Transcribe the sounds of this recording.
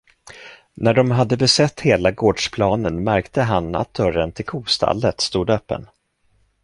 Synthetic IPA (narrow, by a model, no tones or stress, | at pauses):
næɖɔmɦad̪ːəbɛsɛt̪ːheːlaɡoːɖʂpʰlɑːnənmæɾkt̪ʰəɦana̰t̪̚d̪œɾənt̪ʰɪlkʰuːst̪ʰa̰lːət̪st̪uːd̪œːpːə̰n